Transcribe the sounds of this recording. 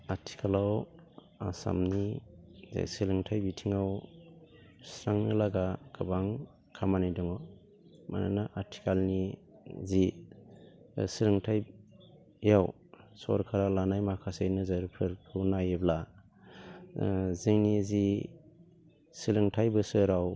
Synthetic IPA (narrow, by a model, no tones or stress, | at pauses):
aɾtʰi̥kʰalaw | asa̰mnizḛsilɯŋtʰajbitʰiŋaw | sɾaŋnɯlaɡakʰɯbaŋ | kʰamanajdɔŋaw | ma̰na̰naʔaɾtʰi̥kalnizi | silɯŋtʰaj | jaw | sɔ̰ɾkʰaɾalanajmakʰasejnɯzaɾpʰɯɾkʰɯwnajebla | ziŋnizi | silɯŋtʰajbɯsɯɾaw